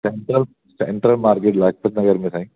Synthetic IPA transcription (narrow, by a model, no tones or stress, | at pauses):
seɳʈɾəl | sḛɳʈɾəlmaːɾkeːʈlaːk̚pʰət̪nɐɡəɾmẽsaːĩ